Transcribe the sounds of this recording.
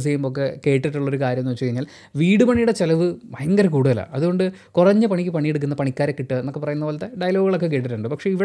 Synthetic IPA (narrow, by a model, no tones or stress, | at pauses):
s̬iɐjumbok̬ːe̞ke̞ːʈːiʈːuɭːɐo̞ɾukaːɾjɐmnːʋt͡ɕːt͡ɕɐjiɲːaːl | ʋiːɽɨpɐɳijuɽet͡ɕelɐʋɨmɐjɐŋɡɐɾɐkuːɽuðɐla̰ʔɐðuɣo̞ɳɖɨ | kurɐɲːɨpɐɳikʲːɨpɐɳijeɽuk̬ːunːɐpɐɳikʲːaːɾekːiʈːɨnenmokːepɐrɐjunːɐʋɐlɐt̪ːeɖɐjlo̞ːɡɨɣɐɭo̞kːek̬eːʈ̬ːiʈːuɳɖɨpɐkʂe̞iʋi